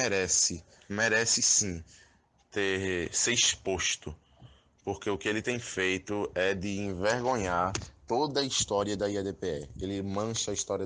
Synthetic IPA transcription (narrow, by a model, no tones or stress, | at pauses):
ɛɾɛsɪ | mɛɾɛsɪsĩ | t̪eɾseiʃpoʃt̪ʊ | poɾkeʊkɪelɪt̪ẽj̃fejt̪ʊɛd̪ɪĩveɾɡõɲaɾt̪od̪ɐiʃt̪ɔɾiɐd̪ɐiad̪epeɛelɪmɐ̃ʃɐiʃt̪ɔɾiɐ